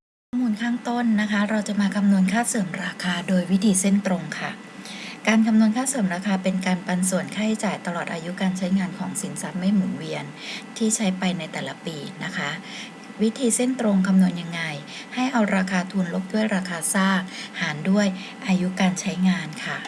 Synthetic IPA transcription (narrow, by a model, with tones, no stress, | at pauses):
kʰkʰɔː˥˩muː˧nkʰaː˥˩ŋt̪o˥˩nːa˦˥kʰa˦˥ɾa˧wt͡ɕa˨˩maː˧kʰa˧mnu˧ənkʰaː˥˩t̪̚sɤː˨˩˦mɾaː˧kʰaː˧doː˧jwi˦˥t̪ʰiː˧si˥˩nt̪ɾo˧ŋkʰa˥˩ | kaː˧nkʰa˧mnu˧ənkʰaː˥˩sɤː˨˩˦mɾaː˧kʰaː˧pe˧nkaː˧npa˧nsu˨˩ənkʰaː˥˩t͡ɕaː˨˩jt̪a˧lɔː˨˩t̪̚ʔaː˧ju˦˥kaː˧nt͡ɕʰa˦˥jŋaː˧nkʰɔː˩˦ŋsi˨˩˦nsa˦˥t̪̚ma˥˩jmu˩˦nwi˧ən | t̪ʰiː˥˩t͡ɕʰa˦˥jpa˧jna˧jt̪ɛː˨˩la˦piː˧na˦˥kʰa˦˥ | wi˦˥t̪ʰiː˧si˥˩nt̪ɾo˧ŋkʰa˧mnu˧ənja˧ŋːa˧j | ha˥˩jʔa˧wɾaː˧kʰaː˧t̪ʰu˧nlo˦˥k̚du˥˩əjɾaː˧kʰaː˧saː˥˩k̚haː˩˦ndu˥˩əj | ʔaː˧ju˦˥kaː˧nt͡ɕʰa˦˥jŋaː˧nkʰa˥˩